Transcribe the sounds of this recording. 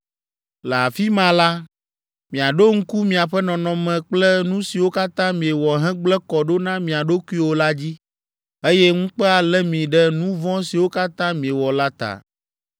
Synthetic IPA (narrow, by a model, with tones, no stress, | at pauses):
lɛ˨a˨fi˦mã˨la˦ | mĩ˨a˨ɖo˦ŋ̩˦ku˦mĩ˨a˨ɸɛ˦nɔ̃˨nɔ̃˨mɛ̃˨k͡plɛ˦nũ˦si˨wo˦ka˦t̪ã˦mĩ˨ɛ˨wɔ˨ɦɛ̃˦ɡ͡blɛ˦kɔ˨ɖo˦nã˦mĩ˨a˨ɖo˦ku˦i˦wo˦la˦d͡ʑi˦ | e˦jɛ˦ŋũ˦k͡pɛ˦a˨lɛ˦mĩ˨ɖɛ˦nũ˦vɔ̃˦si˨wo˦ka˦t̪ã˦mĩ˨ɛ˨wɔ˨la˦t̪a̰˨